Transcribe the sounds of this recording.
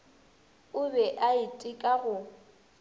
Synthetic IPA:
ʊbɛʔaɪtʼɪkʼaɣʊ

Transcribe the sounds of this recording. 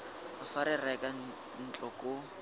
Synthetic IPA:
afaɾɪrakʼa | n̩t͡ɬʼɔkʼʊ

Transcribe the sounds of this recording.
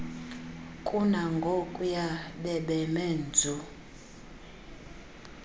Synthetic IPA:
kʼunaŋɡʱokʼujaɓɛɓɛmɛnd͡zʱu

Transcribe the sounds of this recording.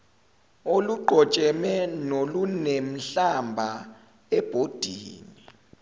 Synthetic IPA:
oluɡ͡ǃʱɔt͡ʃʼɛmɛnolunem̩ɬambʱa | ɛb̥ʱod̥ʱiːni

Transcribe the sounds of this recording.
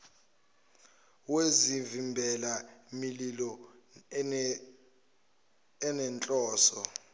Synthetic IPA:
wezivimbʱɛlamililɔ | ɛnɛnt͡ɬʼɔːsɔ

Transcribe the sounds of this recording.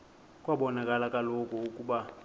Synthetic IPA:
kʼwaɓɔnakʼalakʼalokʼɔukʼuɓa

